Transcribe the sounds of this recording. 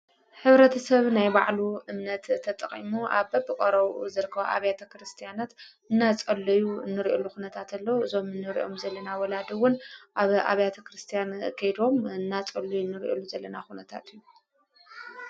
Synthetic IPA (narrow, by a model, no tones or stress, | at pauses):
ħɨβɾɐt̪ʰɐsɐβnajba̰ʕluʔɨmnɐt̪ʰːɐt̪ʼɐχʼḭmuʔaβbɐbɨkʼɐɾɐβzɨɾkʰːɐβ̰ʔa̰βjat̪ʰɐkɾɨst̪ʰijanat̪ | ɨnːat͡sʼɐlːɐjunːɨɾiʔolːuxunɐt̪ʰat̪ʰalːɐuɨzo̞mɨnːɨɾḭʔo̞mzɐlːɐnawɔlad̪ɐwʊnʔaβa̰βjat̪ʰɐkɾɨst̪ʰijankʰɐjd̪o̞mɨnːat͡sʼɐlːujunːɨɾʔolːuzɐlːɐnaxunɐt̪ʰa̰t̪ʰɨjːu